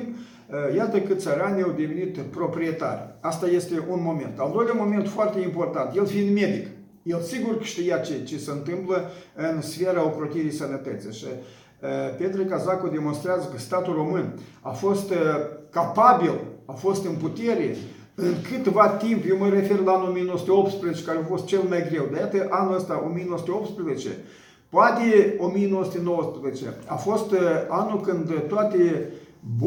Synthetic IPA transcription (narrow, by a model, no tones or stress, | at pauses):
jat̪əkɨt̪səɾaniawd̪e̞venit̪pɾo̞pɾie̞t̪a̰rʲast̪aje̞st̪e̞ʔunmo̞me̞̰nt̪ald̪o̞jlʲamo̞ment̪foart̪e̞impo̞rt̪ant̪je̞lfind̪me̞d̪ik | je̞lsiɡurkə̥ʃt̪ijat͡ʃet͡ʃe̞seɨnt̪ɨmpləɨnsfeɾaokɾot̪iɾijsənət̪ət̪sijʃi | pet̪ɾekazakod̪e̞monst̪ɾeazəkəst̪at̪ulro̞mɨna̰fo̞st̪kapabilafo̞st̪ɨnput̪e̞ɾḛ | ɨŋkɨt̪vat̪impjewməɾe̞fe̞rlaanulomijenooəsut̪eop̚t̪spɾezet͡ʃe̥kaɾeafo̞st̪̚t͡ʃe̞lmajɡɾe̞wd̪ajat̪əʔanuləst̪aʔo̞̰mijenowəsut̪eo̞p̚t̪spɾezet͡ʃḛ | poat̪eo̞mijenowəsut̪eno̞wəspɾezet͡ʃe̞̰a̰fo̞st̪anulkɨnd̪t̪oat̪eb